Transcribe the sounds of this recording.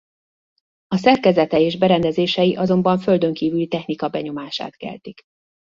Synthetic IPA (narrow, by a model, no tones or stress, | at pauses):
ɒsɛrkɛzɛt̪ɛeːʒbɛɾɛnd̪ɛzeːʃɛjiʔɒzo̞mbɒɱfø̞ld̪ø̞ŋkiːvylit̪ɛxnikɒbɛɲo̞maːʃa̰ːt̪kɛ̰lt̪ik